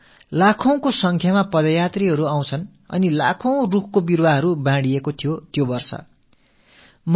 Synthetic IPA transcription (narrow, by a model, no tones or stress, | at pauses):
lakʰʌw̃kosʌŋkʰjamapʌd̪ʌjat̪riɦʌɾuaw̃t͡sʰʌn | ʌ̰nila̰kʰʌw̃rukʰkobirwaɦʌɾubãɽiekot̪ʰijot̪jobʌrsʌ̰ | m